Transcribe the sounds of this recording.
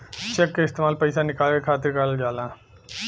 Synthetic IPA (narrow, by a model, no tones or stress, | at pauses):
t͡ʃekːɐɪst̪emaːlpɐjsanikaːlɐkʰaːt̪iɾkaːɭld͡ʒaːla